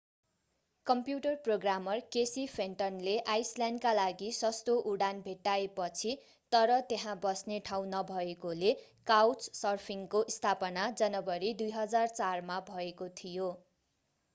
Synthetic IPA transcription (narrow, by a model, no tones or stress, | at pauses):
kʌmpjuʈʌrproɡramʌrkesipʰeɳʈʌnleʔajsljanɖkalaɡisʌst̪oʔuɽanbʱeʈːaepʌt͡sʰi | t̪ʌɾʌt̪eɦãbʌsneʈʰaw̃nʌbʱʌekolekawt͡ssʌrpʰiŋkoʔist̪ʰapʌnad͡zʌnʌbʌɾid̪ujɦʌd͡zart͡sarmabʱʌekot̪ʰijo